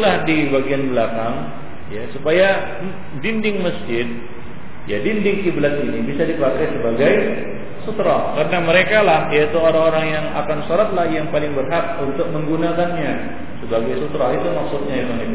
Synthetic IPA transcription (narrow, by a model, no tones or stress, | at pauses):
lahdibaɡianblakaŋ | jasupaja | dindɪŋməsd͡ʒɪt̪̚ | ja̰dindɪŋkiblat̪inibisadipakajsəbaɡaj | sut̪ɾɔhkaɾənaməɾekalahjait̪uoɾaŋoɾaŋjaŋa̰kansoɾat̪̚lahjaŋpalɪŋbərɦat̪̚unt̪ʊk̚məŋɡunakanɲa | səbaɡajsut̪ɾɔɦit̪umaksut̪̚ɲaekaŋeli